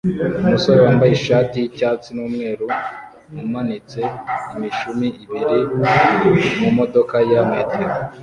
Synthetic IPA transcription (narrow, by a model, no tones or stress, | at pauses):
umuso̞ɾewaːmbajeʃaːtijicaːt͡sinuːmŋe̞ːɾu | mumanit͡se̞imiʃumiiβiɾi | mumo̞do̞kajameteɾa